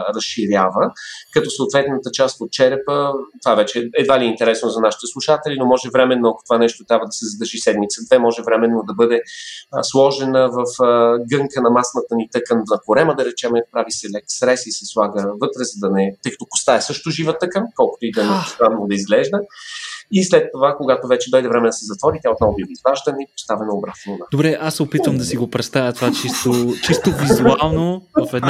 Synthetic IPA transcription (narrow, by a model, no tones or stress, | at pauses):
ɾɐsʃiɾʲjavəkɐt̪ɔsəot̪vɛt̪nət̪ət͡ʃast̪ot̪̚t͡ʃɛɾɛpət̪ovaɛvɛt͡ʃɛɛd̪valiɛint̪ɛɾɛsnozɐnaʃi̥t̪ɛslˠuʃat̪ɛlinomɔʒɛvɾɛmɛnːoɐko̥t̪ovanɛʃt̪ot̪ɾʲabvəd̪ɐsɛzɐd̪əɾʒisɛd̪mit̪səd̪vɛmɔʒɛvɾɛmɛnːod̪ɐbɤd̪ɛslˠɔʒɛnəvɐfəɡɤŋkənɐmasnət̪ənit̪ɤkənvnɐkoɾɛməd̪ɐɾɛt͡ʃɛmɛpɾavisɛlɛksɾɛsisɛslˠaɡəvɤt̪ɾɛzɐd̪ɐnɛt̪ɤjkə̥t̪okʊ̥st̪aɛsɤʃt̪oʒivət̪ɤkənkɔlˠkʊ̥t̪ʊid̪ɐnɛʊst̪ɾanvˠod̪ɐizɡlɛʒd̪ə | islɛt̪ːovakoɡat̪ovɛt͡ʃɛd̪ɔjd̪ɛvɾɛmɛnd̪ɐsɛzɐt̪vɔɾit̪jaot̪nɔvobivizvaʒd̪ənipot̪st̪avɛnoobɾat̪nod̪ad̪obɾɛʔasɛopit̪vəmd̪ɐsiɡopɾɛt̪st̪avʲjət̪ovat͡ʃist̪ot͡ʃist̪ovizualˠnofɛd̪n